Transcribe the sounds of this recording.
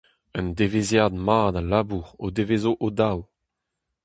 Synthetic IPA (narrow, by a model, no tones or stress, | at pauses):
ənd̪evezjad̪maːd̪alaːbuʁo̰d̪evezoʔod̪aw